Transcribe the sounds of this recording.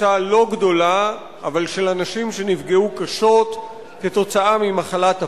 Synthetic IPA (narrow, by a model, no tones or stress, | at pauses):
alo̞ɡdo̞laː | valʃe̞lanaʃimʃe̞nivɡeukaʃo̞t | keto̞t͡saamimaχalata